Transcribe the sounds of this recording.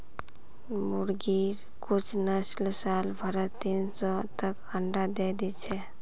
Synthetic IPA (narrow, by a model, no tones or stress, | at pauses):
muɾɡiɾ | kut͡ʃʰnəslsalbʱəɾət̪insɔt̪əkəɳɖad̪ed̪et͡ʃʰɛ